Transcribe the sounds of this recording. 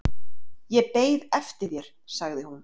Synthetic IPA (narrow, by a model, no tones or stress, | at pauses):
jɛpeːjðɛft̪ɪɾjɛɾ̥ | saɣðɪhun